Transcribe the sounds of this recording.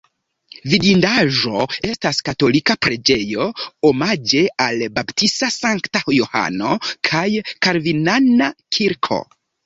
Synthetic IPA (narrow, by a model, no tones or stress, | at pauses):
vidindaʒo̞e̞staskato̞likapɾe̞d͡ʒe̞jo̞omad͡ʒe̞albaptistasaŋktajoha̰no̞kʰajkaɾvinanakʰiɾkʰo̞̰